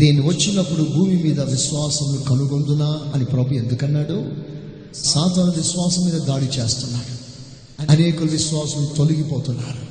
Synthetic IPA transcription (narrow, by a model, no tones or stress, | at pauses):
d̪eːnːiʋɐt͡ʃːinɐpːuɽubʱuːmimiːd̪ɐʋiʃʋaːsɐmnukɐnuɡond̪unaːɐnipɾɐbue̞nd̪ukɐnːaːɽu | saːt̪aːnɐʋiʃʋaːsɐmːiːd̪ɐd̪aːɽit͡ʃe̞ːst̪unːaːɽu | ɐɐne̞ːkulɐʋiʃʋaːsɐmut̪oluɡipɔːt̪unːaːɾu